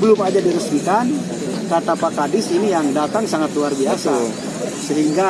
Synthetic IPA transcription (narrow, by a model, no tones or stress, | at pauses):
bəlʊmad͡ʒadiɾəsmik̪an | kat̪apakadɪsinijaŋdat̪aŋsaŋat̪luarbiasa | səɦiŋɡa